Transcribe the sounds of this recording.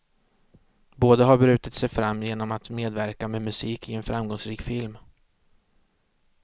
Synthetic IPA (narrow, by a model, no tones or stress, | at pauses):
boːd̪aɦaɾbɾʉ̟ːt̪at̪sɛjfɾamːjeːnɔmat̪meːd̪væɾkamemɵsiːkʰɪɛnfɾamɡɔŋsɾiːkfɪlm